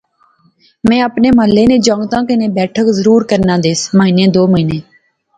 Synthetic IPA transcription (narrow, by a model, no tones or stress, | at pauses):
mɛ̃ːəpneːməːleːnẽːd͡ʒə̃ːŋɡt̪ãːkənẽːbɛːʈʰəkzəɾuːɾkəɾnãːd̪eːsməɦiːnẽːd̪oːməɦiːnẽː